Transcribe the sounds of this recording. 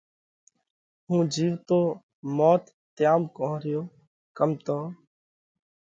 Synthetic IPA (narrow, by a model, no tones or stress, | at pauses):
ɦũːd͡ʒiːʋt̪oː | mɔːt̪ːɪjaːmkõːɾɪjoː | kəmt̪õː